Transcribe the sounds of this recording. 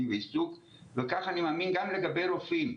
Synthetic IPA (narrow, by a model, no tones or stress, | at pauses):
veisuk | vekaχanimaːminɡamle̞ɡabejɾofim